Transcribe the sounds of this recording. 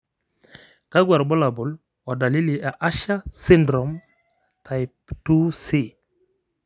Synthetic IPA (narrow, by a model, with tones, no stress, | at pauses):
ka˦ɡwa˨ɾbɔ˦la˨bʊ˨l | a˨da˨li˦li˨ʔa˨ʔa˦ʃa˦si˦ndɾɔ˨m | tʰa˨jp̚tu˦si˦˨